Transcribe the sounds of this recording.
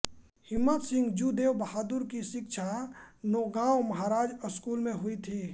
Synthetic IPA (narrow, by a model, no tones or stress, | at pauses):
hɪmːət̪sɪ̃ŋɡd͡ʒud̪eːwbəɦaːd̪uɾkiʃɪkʃʰanoːɡaːwmɐɦaːɾaːd͡ʒəskuːlmẽɦʊit̪ʰiː